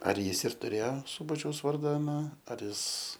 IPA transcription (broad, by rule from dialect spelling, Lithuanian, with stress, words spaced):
ɐr ˈjɪs ɪr tʊˈrʲeːjoː ˈsuːbɐt͡ʃʲɛʊs ˈʋɐrdɐ ɐˈnɐ ɐr ˈjɪs